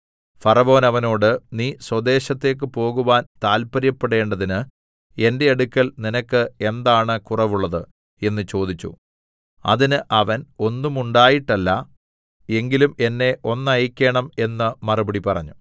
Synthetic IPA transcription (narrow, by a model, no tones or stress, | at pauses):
fɐrɐʋo̞ːnɐʋɐno̞ːɽɨniːswɐd̪e̞ːɕɐt̪ːe̞ːk̬ːɨpo̞ːɣuʋaːnt̪aːlpɐɾjɐpːeɽe̞ːɳɖɐðinɨ | e̞nde̞ɐɽukʲːɐlninɐkːɨe̞nd̪aːɳɨkurɐʋuɭːɐðɨ | e̞nːɨt͡ɕo̞ːd̪it͡ɕːṵ | ɐ̰ðinɨʔɐʋɐno̞nːumuɳɖaːjiʈːɐlːɐ | e̞ŋɡilume̞nːe̞ʔo̞nːɐjikʲːe̞ːɳɐme̞nːɨmɐrubɐɽipɐrɐ̰ɲːu